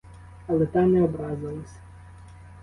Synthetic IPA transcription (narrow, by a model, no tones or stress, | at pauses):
ɐlˠɛt̪ɑnɛɔbɾɑzɪlˠɐsʲɐ̥